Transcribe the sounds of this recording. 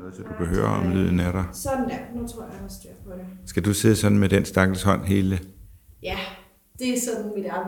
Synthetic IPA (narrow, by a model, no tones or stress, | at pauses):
ɔð̩ˠsɒd̥ukʰæɦø̰ːɐɒmly̰ð̰ˠn̩æɾɑ̈ɪsɒd̥n̩jænut͡sʰʁo̝ɐ̰jɑ̈ɒsd̥ø̰ɐ̰pʰɒɾ̥esɡ̥æd̥use̝ðˠsɒ̽dn̩med̥ensd̥ɑ̈ɡ̥l̩shɒ̽n̰ɦe̝ːləjæ | d̥e̝æsɒ̽d̥mid̥ɑ